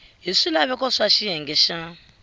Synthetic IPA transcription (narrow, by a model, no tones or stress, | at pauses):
ɦiʂilaβɛkɔʂaʃijɛŋɡɛʃa